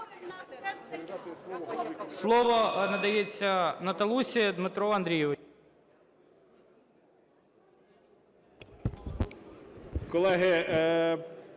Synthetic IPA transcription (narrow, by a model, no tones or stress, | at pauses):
slˠɔʋɔnɐd̪ɐjet͡sʲːɐnɐt̪ɐlˠusʲid̪mɪt̪ɾɔɐnd̪ɾʲijɔʋ | kɔlˠɛɦɪ